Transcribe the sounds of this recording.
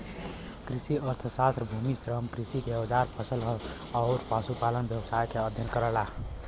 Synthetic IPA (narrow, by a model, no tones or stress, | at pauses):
kɾisiəɾt̪ʰsast̪ɾəbʱumisɾəmkɾisikeod͡ʒaɾpʰəsəlɦɔ | əʊɾpasupalənbjəbsajkeəd̪ʱjənkəɾəla